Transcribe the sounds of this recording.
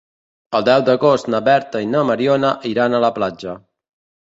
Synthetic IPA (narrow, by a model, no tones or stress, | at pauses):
əlˠd̪ɛwd̪əɣost̪nəβɛɾt̪əinəməɾionəʔiɾanələplad͡ʒə